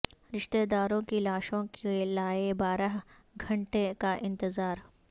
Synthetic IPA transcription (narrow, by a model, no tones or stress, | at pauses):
ɾɪʃt̪eːd̪aːɾõkilaːʃõkelaːebaːɾaɦ | ɡʱɐ̃ɳʈekaʔɪ̃nt̪ɪzaːɾ